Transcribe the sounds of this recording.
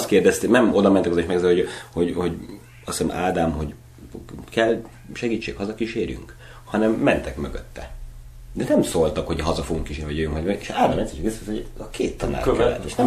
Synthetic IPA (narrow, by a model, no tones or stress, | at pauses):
st̪keːrd̪ɛst̪enɛmo̞d̪ɒmɛnt̪ɛkzeːʃmɛɡzojho̞ɟho̞ɟ | ɒssɛ̰mʔaːd̪aːmhoɟ | kɛl | ʃɛɡiːt͡ʃːḛːkhɒzɒkiʃeːɾy̰ŋk | hɒnɛmːɛnt̪ɛkmøɡø̰t̪ːɛ̰ | d̪ɛnɛmsoːlt̪ɒkho̞ɟɦɒzɒfoɡuŋkːiʃeːniv̰ɒɟøjøŋkɒeʃaːd̪amɛt̪sɛʃkessokʰeːt̪ːɒna̰ːkɛlːɛ̰ḛːʃnɛ